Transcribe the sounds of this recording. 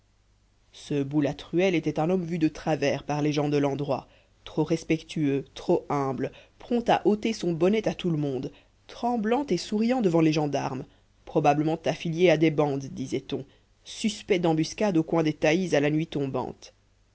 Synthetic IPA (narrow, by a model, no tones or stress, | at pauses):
səbulat̪χyɛlet̪ɛt̪ɛ̃nɔmvyd̪ət̪χavɛːʁpaʁleʒɑ̃d̪əlɑ̃d̪ʁwa | t̪χoʁɛspɛkt̪ʰyøt̪χoɛ̃blpχɔ̃t̪a̰ʔot̪esɔ̃bɔnɛt̪at̪uləmɔ̃d̪ | t̪χɑ̃blɑ̃t̪esuʁijɑ̃d̪əvɑ̃leʒɑ̃d̪aʁm | pχɔbabləmɑ̃t̪afiljead̪ebɑ̃d̪ːizɛt̪ɔ̃ | syspɛd̪ɑ̃byskʲad̪okwɛ̃d̪et̪aizalanɥit̪ɔ̃bɑ̰̃t̪